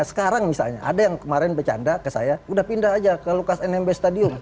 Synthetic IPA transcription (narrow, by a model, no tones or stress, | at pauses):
sə̥kaɾaŋmisa̰lɲa̰ʔa̰dajaŋkəmaɾɛnbət͡ʃa̰ndakəsa̰jaudahpindahad͡ʒakalokasɛnɛmbest̪adiʊn